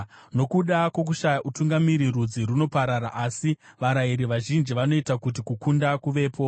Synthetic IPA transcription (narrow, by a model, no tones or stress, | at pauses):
no̞kuɗakwo̞k̬uʃajaʔutuŋɡamiɾirud͡ziruno̞paɾaɾa̰ʔasiʋaɾaiɾiʋaʒind͡ʒiʋano̞itakut̬ikukundakuʋe̞ːpʰo̞